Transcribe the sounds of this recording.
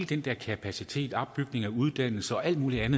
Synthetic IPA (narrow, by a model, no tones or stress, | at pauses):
ld̥end̥ɛɐ̰kʰæpʰæsit͡sʰe̝̰ːd̥ɒ̽bb̥̚b̥yɡ̥ne̝ŋɒuð̞ˠd̥æn̰l̩səɒ̽ʔæl̰d̥muːliænð̩ˠ